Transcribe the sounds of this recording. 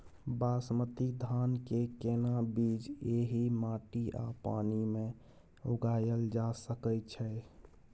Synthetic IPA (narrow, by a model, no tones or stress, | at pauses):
basmət̪id̪ʱankekenabid͡ʒeɦimaʈia̰pa̰nime | oɡajəld͡ʒasəkət͡ʃʰɛ